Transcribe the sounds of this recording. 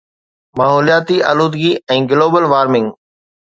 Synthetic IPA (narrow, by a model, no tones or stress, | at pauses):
maːɦoːlijaːt̪iʔɐ̰luːd̪ɡiɛ̃ːɡɪloːbəlʋaːɾmɪ̃ŋɡ